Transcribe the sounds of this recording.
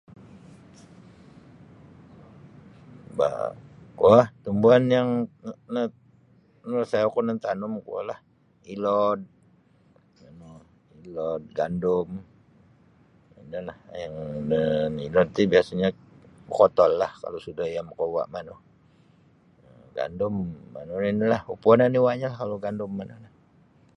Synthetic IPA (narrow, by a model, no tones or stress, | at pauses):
ba̰kuaht̪umbuanjaŋnə | nsajakunənt̪anʊmkua̰lah | ilɔd̪̚ | ano | ilɔd̪̚ɡandʊm | inalahjaŋnənilɔd̪̚t̪ibiasaɲa | bəkɔt̪ɔlːahka̰losudahjaməkowa̰ʔmanuh | ɡa̰ndʊmːa̰nuninilahupuananiwaɲalahkaloɡandʊmːanuhlah